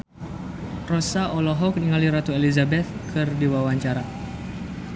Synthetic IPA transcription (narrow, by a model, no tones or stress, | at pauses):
rɔsaʔɔlɔɦɔkniŋaliɾat̪uelizabɛt̪̚kʰɨrdiwawaɲt͡ʃaɾa